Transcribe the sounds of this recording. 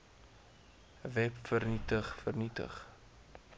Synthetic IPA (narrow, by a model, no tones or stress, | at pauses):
vɛpfərnitəχfərnitə̰χ